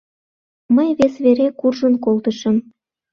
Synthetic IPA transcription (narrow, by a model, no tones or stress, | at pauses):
məjβesβeɾekurʒənkolt̪əʃə̆m